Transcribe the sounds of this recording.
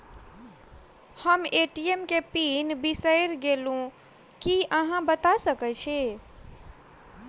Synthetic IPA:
həmeʈiemkepinbisəjɾɡelũ | kiəɦãbət̪asəkət͡ʃʰe

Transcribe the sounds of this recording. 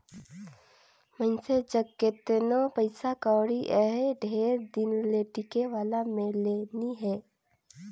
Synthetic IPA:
mənsed͡ʒəɡkːeːt̪nopəɪsakaːɽiʔɛɦɖʱeːɾd̪ɪnleʈikeʋaːlamẽleːniɦɛː

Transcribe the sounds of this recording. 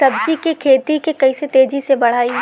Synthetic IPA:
sɐb̚d͡ʒikekʰeːt̪ikekɐiset̪eːd͡ʒisebɐɽ̤aːi

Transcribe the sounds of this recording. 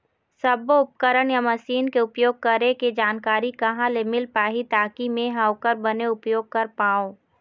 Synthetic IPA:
sɐboʊp̚kəɾəɽjamɐsiːnkeʊpjoːɡ̚kɐɾeked͡ʒaːnkaːɾikɐɦãlemɪlpaːɦit̪aːkimẽɦɐʋkəɾbɐneʊpjoːɡ̚kɐɾpaːoː

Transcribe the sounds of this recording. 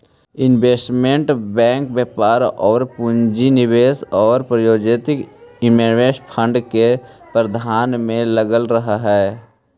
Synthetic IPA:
ɪnbeːsʈmẽɳʈbɛ̃ːŋk̚bjəːpaːɾɔːɾpʊɲd͡ʒinɪʋeːsɔːɾpɾəjoːd͡ʒeːt̪ɪkɪmeɾʋeːʃpʰə̃ɳɖke | pɾəd̪ʱaːnmẽləɡəlɾəɦaɦɛː

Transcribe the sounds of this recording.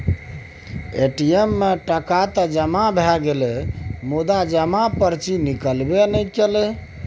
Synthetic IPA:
eʈiemːeʈəkat̪əd͡ʒəmabʱɛɡelemud̪ad͡ʒəmapəɾt͡ʃinikəlbenəjkelɛ

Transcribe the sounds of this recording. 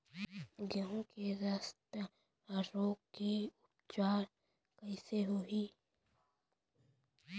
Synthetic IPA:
ɡɐɦũkeɾaːst̪ | ɾoːkkiʊp̚t͡ʃaːɾ | kɐɪseɦoːiː

